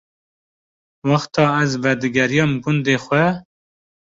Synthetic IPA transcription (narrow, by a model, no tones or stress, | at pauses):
wɑxt̪ʰɑːæzvɛd̪ɨɡɛɾijɑːmɡʊnd̪eːxʷɛ